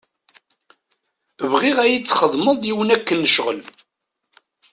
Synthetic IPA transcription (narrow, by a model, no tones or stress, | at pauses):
əvʁiʁæjit͡sːχəðˤməðˤjiwənækːənːəʃʁə̰l